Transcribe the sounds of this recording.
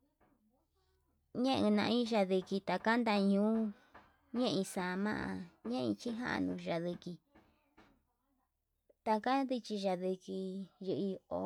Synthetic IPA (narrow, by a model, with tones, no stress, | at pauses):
ɲẽ˦ʔɨ̃˧nã̰˧ʔĩ˦ʒa˧ði˧ki˧t̪a˧ka˦nd̪a˧ɲũː˨˦ | ɲẽ˦ʔĩ˧sa˨˧mã̰˦ʔã˧ɲẽ˦ʔĩ˧t͡ʃi˦ɦã̰˦ʔa̰˧nũ˧ʒa˧ði˧ki˧ | t̪a˧ka˦nd̪i˧t͡ʃi˧ʒa˧ði˧ki˧jɨ˧ʔi˧o˧